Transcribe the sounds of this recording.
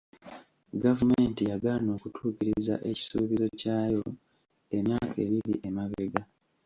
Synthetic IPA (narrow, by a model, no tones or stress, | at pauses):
ɡavume̞ːntijaɡaːno̞ːkutʰuːciɾiza̰ʔe̞ci̥suːβizo̞caːjo̞ | e̞mjaːkʰe̞ːβiɾiʔemaβeɡa